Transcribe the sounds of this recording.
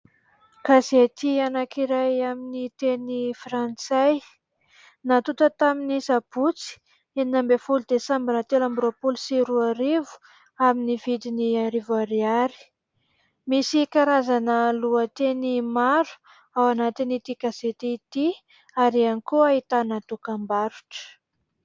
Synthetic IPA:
kaset̪ianakiɾajaminit̪enifrant͡saj | nat̪ut̪ət̪aminisab̥ut͡si̥ | eninambefulud̪esambinat̪elambɾopulsiɾuaɾivu̥ | aminivid̪iniaɾivaɾiaɾi̥ | misikaɾazanəluət̪enimaɾu̥ | awanat̪init̪ikazet̪iit̪i | aɾianikuaɦit̪anat̪ukambaɾu̥ʈ͡ʂə̥

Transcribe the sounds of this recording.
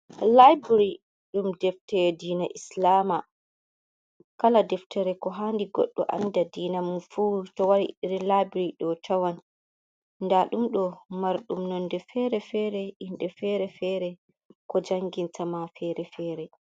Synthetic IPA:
lajbɾi | ɗumdɛftɛɾdiːnaʔislaːma | kaladɛftɛɾɛkɔɦandiɡɔ̰ɗːɔ̰ʔa̰ndadiːnamfutɔwaɾiɗiɾilajbɾiɗɔtʰawan | ndaɗumɗɔmaɾɗumnɔndɛfɛɾɛfɛɾɛinɗɛfɛɾɛfɛɾɛ | kɔd͡ʒaŋɡintʰamafɛɾɛfɛːɾɛ

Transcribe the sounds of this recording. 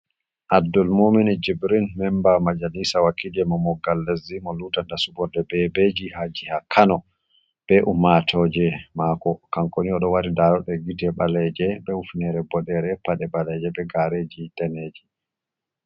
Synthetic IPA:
ʔadːɔlmomɛnɛd͡ʒibɾinmɛmbamad͡ʒanisawakːid͡ʒɛmɔmɔɡalːazimɔluːtandasubɔndɛbɛbed͡ʒihad͡ʒihakʰanɔ | b̥ɛʔumatʰɔd͡ʒɛmakɔkaŋkoniɔɗɔwaɾidaɾɔɗɛɡitɛɓalɛd͡ʒɛɓɛufnɛɾɛbɔɗɛɾɛpaɗɛɓalɛd͡ʒɛbɛɡaɾed͡ʒitɛned͡ʒi

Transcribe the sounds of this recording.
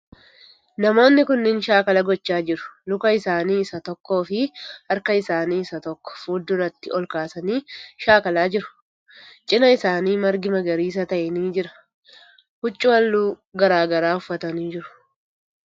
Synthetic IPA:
nɐmo̞ːnːɪkʊnːɪnʃaːkɐlɐɡɔt͡ʃːaːd͡ʒɪɾʊ̥lʊkɐɪsaːniːɪsɐt̪ɔkːo̞ːfɪɐɾkɐɪsaːniːɪsɐt̪ɔkːɔ̥fuːd̪ːʊrɐt̪ːɪɔlkaːsɐniːʃaːkɐlaːd͡ʒɪɾʊ̥ | t͡ʃʼɪnɐɪsaːniːmɐɾɡɪmɐɡɐɾiːs̬ɐt̪ɐʔɛniːd͡ʒɪɾɐ̥ | hʊt͡ʃʼːʊwɐlːuː | ɡɐɾaːɡɐɾaːʊfːɐt̪ɐniːd͡ʒɪɾʊ̥

